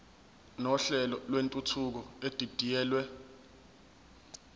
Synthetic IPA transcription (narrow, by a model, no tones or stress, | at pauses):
nɔɬɛlɔlwentʼutʰuk̬ɔed̥ʱid̥ʱijɛːlwɛ